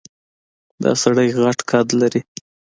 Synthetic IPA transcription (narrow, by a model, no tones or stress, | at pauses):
d̪ɑ̰saɽajɣaʈkʰɑd̪laɾi